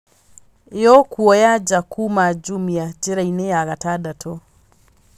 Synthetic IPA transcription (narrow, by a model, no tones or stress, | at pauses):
jɔkuɔjad͡ʒakʰumad͡ʒumiad͡ʒeɾainejaɣatadatʰɔ